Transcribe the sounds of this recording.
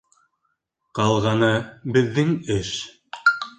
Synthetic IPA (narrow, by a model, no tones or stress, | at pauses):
qɑlˠʁɑnɤbɘ̆ðːɘŋɘʃ